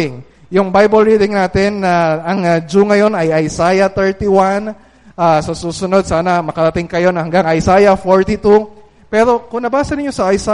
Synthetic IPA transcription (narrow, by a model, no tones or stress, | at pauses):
ɪŋ | jʊŋbajbɐlɹiːd̪ɪŋnaːt̪ɪnːɐɐŋɐd͡ʒuŋɐjo̞nɐjɐjsaːjɐt̪ɛɹt̪iwan | ʔaːsɐsuːsʊno̞d̪̚saːnɐmɐkɐɾɐt̪ɪŋkɐjo̞nɐhɐŋɡaŋɐjsaːjɐfoɹt̪it̪u | pɛːɾo̞kʊŋnɐbaːsɐnɪɲːo̞sɐʔɐjsa